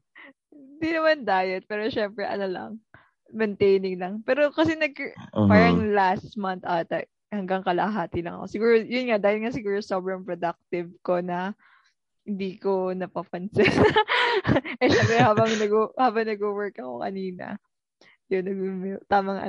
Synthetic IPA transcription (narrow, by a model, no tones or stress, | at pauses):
hɪɪnd̪inɐmand̪aːjɐt̪̚pɛːɾoʃɛmpɾɛʔɐ̰nolɐ̰ŋ | mɛnt̪ejnɪŋlɐŋpɛːɾo̞kɐsɛnɐɡ̚paːɾɐŋlast̪mant̪ʔat̪ɐ | hɐŋɡaŋkɐlɐ̰ɦaːt̪ɪlɐ̰ŋɐ̰ko̞sɪɡuːɾojʊnŋad̪aːhɪlŋasɪɡuːɾosobɾɐŋpɾod̪ɐk̚t̪ɪvko̞nɐ | hɪnd̪iːko̞nɐpɐpɐnsɛn | ʔɛʃɐkɛhaːbɐŋnɐɡohaːbɐŋnɐɡowɛɹkɐko̞̰kɐ̰niːnɐ̰ | jonːɐɡ̚mt̪aːmɐŋʔɐ̰